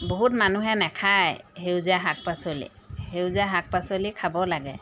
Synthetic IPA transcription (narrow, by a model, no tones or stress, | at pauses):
boɦutmanuɦɛnɛkʰajhewzaɦak̚pasolḭ | hewzaɦak̚pasolikʰabɔlaɡɛ